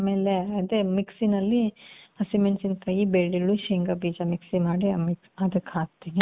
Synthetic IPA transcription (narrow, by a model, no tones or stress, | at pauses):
ameːleɐd̪emiksinɐlːiɐsimensinkaːjibeːɽiɭuʃeŋɡɐbiːd͡ʒɐmiksimaːɽimiksɐd̪ɐkʰaːt̚t̪ːini